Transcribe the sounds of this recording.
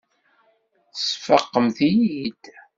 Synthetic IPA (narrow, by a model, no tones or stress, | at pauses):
sfəqːəmθijid̪̥